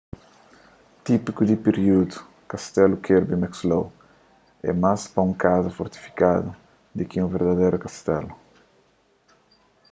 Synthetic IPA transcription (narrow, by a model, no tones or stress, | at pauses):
t̪ipikud̪ipeɾjud̪u̥ | kast̪ɛlukʰeɾbimɛkslow | ɛ̰maspɐũŋkazɐfoɾt̪i̥fi̥kad̪u | d̪ikiũveɾd̪ɐd̪ejɾukast̪ɛlu